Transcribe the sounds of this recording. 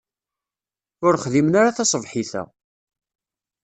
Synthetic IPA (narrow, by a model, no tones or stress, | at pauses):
ʊɾχðimənaɾaθɑsˤəvħiθæ̰